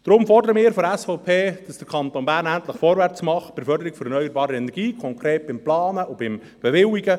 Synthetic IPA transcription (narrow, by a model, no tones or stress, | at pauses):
d̥ɾʊmfɔrdəɾəmɪːɾfɔɾæsfɔʊpʰeːd̥ɑsd̥əɾkʰɑnt̪oːnbæːɾnænt̪ləχfɔːɾvʋæɾt͡smɑχpɪɾfœɾdəɾiɡ̥fɔɾənœʏəɾbɑːɾəɛnɛɾɡiːkʰɔŋkʰɾeːt̚b̥ɪmplɑːnəʊbɪm | b̥ɛʋɪwiɡə